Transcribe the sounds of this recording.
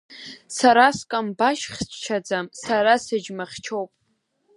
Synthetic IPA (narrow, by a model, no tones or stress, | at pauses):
saɾaskʼambaʃχʲʷʰʼt͡ʃʰad͡zamsaɾasɨd͡ʒmɨχʲt͡ʃʰowpʼ